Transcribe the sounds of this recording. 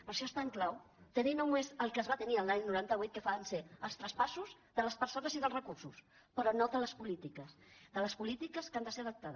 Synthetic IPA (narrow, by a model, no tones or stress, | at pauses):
pəɾʃɔest̪aəŋklawt̪əninowmezəlˠkəːzβat̪əniəlˠːaɲnuɾant̪əβ̞ujt̪̚kəfaənseəlˠst̪ɾəspasuz | ðələspəɾsonəziðəlˠzrəkursus | pəɾɔnod̪ələspulit̪ikəsðələspulit̪ikəskand̪əseəðəp̚t̪aðə